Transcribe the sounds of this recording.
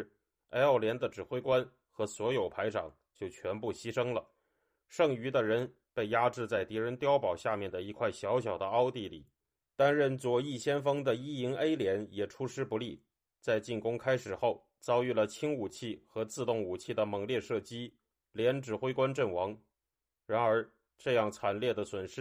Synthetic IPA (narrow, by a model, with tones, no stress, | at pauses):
e˥ɪɑ˥˩ʊljɛ˧˥nd̪ə˧ʈ͡ʂɻ̩˨˩xwe˥ɪkwa˥n | xɤ˧˥swɔ˧˥jo˨˩ʊpʰa˧˥ɪʈ͡ʂʰɑ̰˨˩ŋ | t͡ɕjo˥˩ʊt͡ɕʰɥɛ˧˥npu˥˩ɕi˥ʂɤ˥ŋlə˨ | ʂɤ˥˩ŋy˧˥d̪ə˧ɻə˧˥n | pe˥˩ɪja˥ʈ͡ʂɻ̩˥˧t͡sa˥˩ɪt̪i˧˥ɻə˧˥nt̪jɑ˥ʊpɑ˨˩ʊɕja˥˧mjɛ˥˩nd̪ə˩i˧˥kʰwa˥˩ɪɕjɑ˧˥ʊɕjɑ˨˩ʊd̪ə˦ɑ˥ʊt̪i˥˧lḭ˨˩˦ | t̪a˥nɻə˥˩nt͡swɔ˨˩i˥˩ɕjɛ˥nfɤ˥ŋd̪ə˨i˥i˧˥ŋe˥ɪljɛ˧˥njɛ˨˩ʈ͡ʂʰu˥ʂɻ̩˥pu˧˥li˥˩ | t͡sa˥˧ɪt͡ɕi˥˩nkʊ˥ŋkʰa˥ɪʂɻ̩˨˩xo˥˩ʊ | t͡sɑ˥ʊy˥˩lə˩t͡ɕʰi˥ŋu˨˩t͡ɕʰi˥˩xɤ˧˥t͡sɹ̩˥˧t̪ʊ˥˩ŋu˨˩t͡ɕʰi˥˩d̪ə˩mɤ˧˥ŋljɛ˥˧ʂɤ˥˩t͡ɕi˥ | ljɛ˧˥nʈ͡ʂɻ̩˨˩xwe˥ɪkwa˥nʈ͡ʂə˥˩nwɑ˧˥ŋ | ɻa˧˥nə˞˧˥ | ʈ͡ʂɤ˥˧jɑ˥˩ŋt͡sʰa˨˩nljɛ˥˩d̪ə˩swə˨˩nʂɻ̩˥